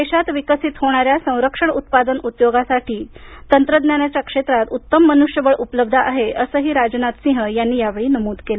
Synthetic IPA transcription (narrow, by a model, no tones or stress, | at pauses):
eɕat̪ʋikəsit̪ɦoɽ̃aɾjasə̃w̃ɾəkʂəɳut̪̚pad̪ənut̪joɡasaʈʰiːt̪ənt̪ɾəd̪njanjat͡ɕakʂet̪ɾat̪ut̪ːəmːənuʂjəʋəɭupələb̚d̪ʱəʔaɦeʔəsəːɦiːɾad͡ʑnat̪sĩɦəjanːiːjaʋeɭiːnəmuːd̪kelə